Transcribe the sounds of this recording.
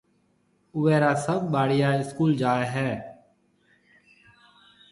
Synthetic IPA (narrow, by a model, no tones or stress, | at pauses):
ʊʋɛːɾaːsəbɓaːɽɪjaːɪskuːld͡ʒaːeːɦɛː